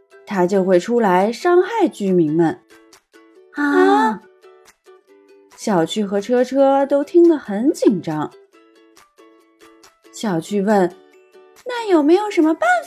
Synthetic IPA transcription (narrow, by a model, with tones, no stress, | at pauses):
t̪ʰa˥t͡ɕjo˥˧ʊxwe˥˩ɪʈ͡ʂʰu˥la˧˥ɪʂɑ˥ŋxa˥˩ɪt͡ɕy˥mi˧˥ŋmə˧n˥˧ | ɕjɑ˨˩ʊt͡ɕʰy˥˩xɤ˧˥ʈ͡ʂʰɤ˥ʈ͡ʂʰɤ˥t̪o˥ʊt̪ʰi˥ŋd̪ə˨xə˧˥nt͡ɕi˨˩nʈ͡ʂɑ˥ŋ | ɕjɑ˨˩ʊt͡ɕʰy˥˧wə˥˩n | na˥˩jo˨˩ʊme˧˥ɪjo˨˩ʊʂə˧˥nmə˧pa˥˩n